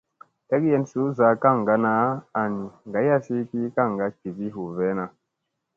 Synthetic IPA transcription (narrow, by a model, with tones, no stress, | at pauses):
te˦kje˦nsu˦za˨˦ka˦˨ŋ˨ɡa˦na˨˦a˨ni˨ŋɡa˨˦ja˦si˦ki˦ka˦˨ŋɡa˦ki˨ki˦ɦu˨ve˦na˨